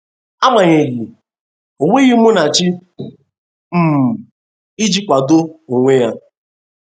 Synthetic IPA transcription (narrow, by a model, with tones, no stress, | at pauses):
a˦ɡ͡ba˨ɲe˨ɣi˨ | o˨ŋʷe˦ɣi˦mʊ˦na˨t͡ʃɪ˦ | m̩˨m˨ | i˦d͡ʒi˦kʷa˨do˦o˨ŋʷe˦ja˦